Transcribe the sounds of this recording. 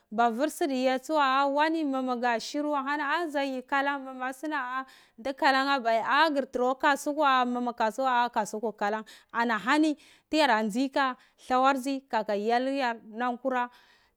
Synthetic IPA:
ba˨vi˦ɾsi˦di˨ja˨t͡su˦wa˦a˦wa˦ni˦ma˨ma˨ɡa˨ʃi˦ɾu˦wa˦ɦa˦na˦a˦za˨ji˨ka˦la˦ŋma˨ma˨si˦na˦a˦ | da˦ka˨la˦ŋa˦ba˨a˦ɡi˨ɾti˨ɾo˦ka˦su˦ka˦˨ma˨ma˨ka˨su˦wa˦ka˨su˦ku˨ka˨la˦ŋa˨na˨ɦa˦ni˦ | ti˦ja˨ɾa˨nd͡zi˦ka˦ | ɬa˦wa˦ɾzi˦ka˨ka˨ja˦lja˦ɾna˦ŋku˦ɾa˦

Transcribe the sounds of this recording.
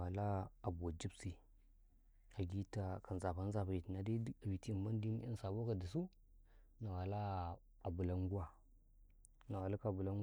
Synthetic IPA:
a˨la˦a˨bu˨wa˨d͡ʒi˦bsi˨ | a˨ɡi˦ta˦ka˨n˨za˨pa˦n˦za˦˨pa˨ji˨tna˨di˦˨vi˨ti˦˨ma˦n˦di˦n˦ḭ˦n˦sa˨bo˦ka˨di˨s̬u˦ | na˨wa˨la˦ | a˨bu˨la˦ŋ˦ɡu˦wa˨ | na˨wa˨la˦ka˨bu˨la˦n

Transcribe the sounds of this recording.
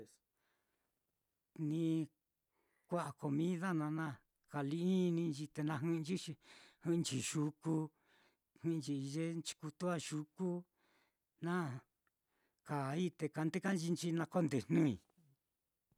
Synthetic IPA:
s | nĩ˧ | kʷa˦ʔa˨ko˧mĩ˦ða˦nã˧nã˦ | ka˨li˧ʔi˦nĩ˧nd͡ʒi˧t̪e˧nã˧ɦɨ̃˦˧nd͡ʒi˦ʃi˧hɨ˦˧nt͡ʃi˧ʃu˧ku˧ | hĩ˦nt͡ʃi˧ʒe˦nt͡ʃi̥˧ku˧t̪u˦a˦ʃu˧ku˦ | nã˦ | ka˨i˦t̪e˧ka˧nd̪e˦ka˦nd͡ʒi˧nt͡ʃi˧˦nã˧ko˦nd̪e˨nũ˦i˨

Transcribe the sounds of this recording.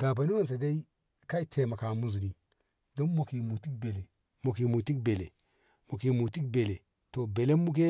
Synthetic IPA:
ɡa˨ba˨ni˦wo˦ns̬e˨de˦i˦ | ka˦i˦tʰe˨ma˨ka˨mu˦zu˨ni˦ | do˦nmo˨ki˨mu˨ti˦k̚be˨le˨ | mo˨ki˨mu˨ti˦k̚be˨le˨ | mo˨ki˨mu˨ti˦k̚be˨le˨ | to˨be˨le˦mːu˦k̬e˦

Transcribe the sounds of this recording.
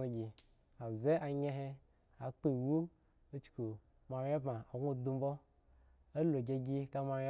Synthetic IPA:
o˨ɡʲi˨ | a˨ze˦ʔa˨ɲe˦ɦe˦ | a˨k͡pe˨wu˦ | o˦t͡ʃu̥˨ku˨ | ma˨ɾe˦ba˨a˨ɡʷo˦˨du˦m̩˦bo˦ | a˦lo˨ɡʲa˨ɡʲi˦ka˦ma˧ɾʲe˦

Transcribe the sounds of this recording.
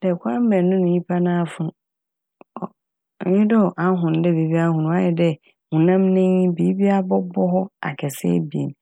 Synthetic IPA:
d̥ɛ˨kʷʰa˦m̩˦mɛ̃˨nːʊ̃˦nʊ̃˨ɲĩ˦pʰa˦nã˦fʊ̃˦n˨ | ɲɪ̃˦dɔ˦˨ʔa˦ɦʊ̃˨n˨dɛ˦bi˨˦bi˦a˦ɦʊ̃˨nʊ̃˨˦a˦ɛ˨dɛ˦ | hũ˨nã˦mnɪ̃˦bi˨˦bi˦a˦bɔ˦bɔ˦ɦɔ˦a̰˨kʰɛ˨sɛ̰˦bi˨ḛ˨n˨

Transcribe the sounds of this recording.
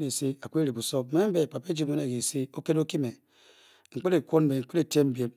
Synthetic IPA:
ne˨se˦a˨kʷe˦ɾi˨bu˨so˦me˦m̩˦be˨pa˨pe˦d͡ʒi˦mo˦ne˨ɡi˨se˦o˦ke˦ɾo˦ki˦me˨ | ŋ͡m̩˨k͡pe˦ɾe˨kʷo˦n˦be˨ŋ̩˨k͡pe˦ɾe˨te˦m˦bje˨m

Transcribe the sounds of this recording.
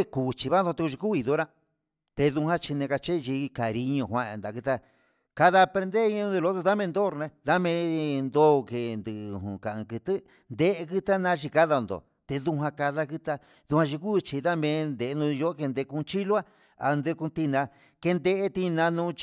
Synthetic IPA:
e˦ku˨t͡ʃi˧βa˦nðõ˧t̪e˧ku˧ʃi˧ku˦i˨˧ðo˦ɾã˦ | t̪e˧ðu˧hã˦t͡ʃi˧nẽ˧ka˧t͡ʃe˦˧t͡ʃi˧ka˨ɾi˧ɲõ˧ɦʷwã˧nd̪a˨kɨ˧t̪a˧ | ka˧ða˧pɾe˧nd̪e˦i˧˦ɲõ˧d̪e˧lo˧˦t̪o˧ða˦mẽ˧nd̪o˦˨ɾnẽ˧ða˦mẽ˧nd̪o˦˧ke˧nd̪ɨ˨˧˨ɦṵ̃˨ka˨ɨ̃˧kɨ˧t̪ɨ˦ | nd̪e˦ʔe˧kɨ˦t̪a˦nã˧˦t͡ʃi˧ka˦ða˧nd̪o̰˨ | t̪e˧ðu˧ɦʷã˧ka˧ða˦˧kɨ˧t̪a˧ | ðu˧hã˧ʃi˧ku˦˧t͡ʃi˧ða˦mẽ˧nd̪e˨˧nũ˧o˧˦ke˧nd̪e˧ku˧t͡ʃi˦lo˦a˦ | a˧nd̪e˧ku˧t̪i˧nã˧ | ke˧nd̪e˧ʔe˦t̪i˧nã˧nũ˧t͡ʃ

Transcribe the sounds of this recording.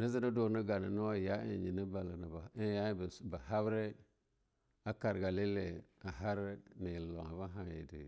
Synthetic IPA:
nə˦zi˦na˦do˨nə˦ɡa˨na˨no˦wa˦ja˦ḭ˨ɲi˨nə˦ba˨la˨na˨bi˦ja˦bba˨ha˦bɾe˦ | a˦ka˨ɾɡa˨li˦le˨a˨ɦa˦ɾe˦ni˨ji˨lo̰˨ŋa˨ba˦ɦa˨jḛ˨dḭ˨

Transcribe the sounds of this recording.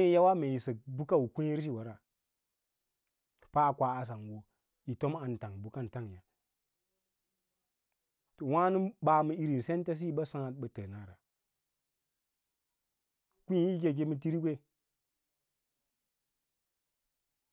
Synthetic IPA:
e˦ja˦wa˦me˨ji˨sə˨k̚bu˦ka˦wu˨kʷi˦ɾʃ̬i˦˨wa˨ɾa˨ | pa˦˨kʷa˨a˨s̬a˨ŋwo˨ | i˨to˦ma˨nta˨ŋbu˨˦ka˦n˨ta˦ŋ˨ja˨ | to˨wa˦nu˦ɓa˨mə˦i˦ɾi˨n˨se˦n˦ta˦s̬i˦i˦ɓa˦sa˦ŋa˨t̚ɓə˨tə˨na˨˦˨ɾa˨ | kʷu˦˨˦i˦ke˨ɡ̬e˦mɨ˦t̬i˦ɾi˦ɡʷe˦

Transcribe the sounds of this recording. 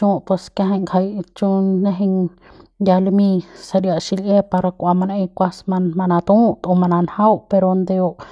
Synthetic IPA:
ũ˦pwe˧skja˧ɦa˧˨jŋkʰa˧jt͡ʃu˦na˧ɦi˧ŋ | nd̪ʲa˧lmĩ˧sa˧ɾja˧ʔʃi˧lje˦pa˧ɾa˧kʷa˧ma˧ne˧jkʷa˦sma˧ma˧na˧t̪ũ˦t̪o˧ma˧na˨nha˦wpe˧ɾo˧nd̪e˧o˧ʔ

